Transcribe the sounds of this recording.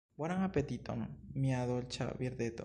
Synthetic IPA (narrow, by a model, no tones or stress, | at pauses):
baɾaŋapet̪it̪o̰mmjaðolt͡ʃa̰ʔbjeɾd̪et̪o̰